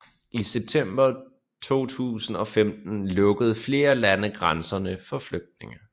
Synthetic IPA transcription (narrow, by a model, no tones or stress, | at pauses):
ʔiseb̥̚t͡sʰem̰b̥ɐ | t͡sʰo̝̰ːt͡sʰṵːsn̩ɒ̽femd̥n̩lɔ̽ɡ̥əð̞̩ˠfle̝ːɐlænəɡ̥ʁansɐnəfɒ̽fløɡ̥̚d̥̚ne̝ŋə